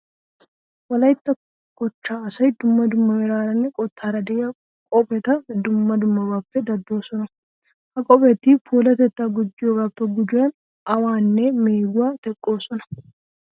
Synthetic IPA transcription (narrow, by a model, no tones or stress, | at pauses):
wɐlɐjt̪ːɐ | kɔt͡ʃːaːɐsɐjd̪ʊmːɐd̪ʊmːɐmɛɾaːɾɐnːɛkʼɔt̪ʰːaːɾɐd̪ɛɐ | kʼɔpɛt̪ɐd̪ʊmːɐd̪ʊmːɐbaːpːɛd̪ɐd̪ːo̞ːsɔnɐ | hɐkʼɔpɛt̪ːɪpʰuːlɐt̪ɛt̪ːaɡʊd͡ʒːɪjoːɡaːpːɛɡʊd͡ʒʊjɐn | ɐwaːnːɛmeːɡʊwaːt̪ɛkʼːo̞ːsɔnɐ̥